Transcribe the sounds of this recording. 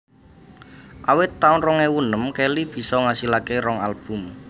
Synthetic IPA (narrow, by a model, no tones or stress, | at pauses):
ʔawɪt̪ːaʊnrɔŋewunəmkelib̥i̤sɔŋasilakeɾɔŋalb̥ʊ̤m